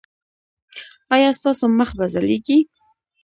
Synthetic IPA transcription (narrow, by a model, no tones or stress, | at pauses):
ɑjɑst̪ɑsoməxbazaleɡi